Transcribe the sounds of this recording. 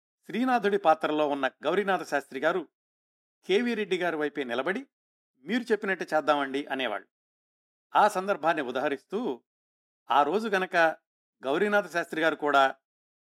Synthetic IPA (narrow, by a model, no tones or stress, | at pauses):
ʃɾiːnaːd̪ʱuɽipaːt̪ɾɐlo̞ːunːɐɡɐwɾinaːt̪ɐʃaːst̪ɾiɡaːɾu | kʰe̞ːʋiɾe̞ɖːiɡaːɾuʋɐjpeːnilɐbɐɽi | miːɾut͡ʃe̞pːinɐʈːut͡ʃɛːd̪ːaːmɐɳɖiʔɐnɛːʋa̰ːɭːu | aːsɐnd̪ɐɾbʱaːnːiud̪aːɦɐɾist̪uː | aːɾo̞ːd͡ʒuɡɐnɐkɐ | ɡɐwɾinaːt̪ɐʃaːst̪ɾiɡaːɾukuːɽaː